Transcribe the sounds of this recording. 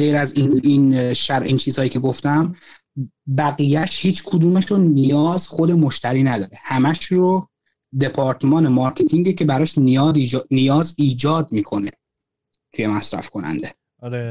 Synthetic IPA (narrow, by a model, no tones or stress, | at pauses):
ɢejɾæziinʃæɾʔint͡ʃʰiːz̥hɒːjiːcʲʰe̞ɡoft̪æm | bæɣijæʃhiːt͡ʃʰkʰod̪uːmeʃonijɒːzxod̪e̞mo̞ʃt̪æɾiːnæd̪ɒːɾehæmæʃɾo | d̪e̞pʰɒːɾt̪ʰmɒːnemɒɾkʰet̪ʰiŋɟecʰe̞bæɾɒːʃnijɒːd̪nijɒːziːd͡ʒɒːd̪̚miːkʰone | t̪ʰujemæsɾæ̰fkʰo̞næ̰nd̪e̞ | ɾe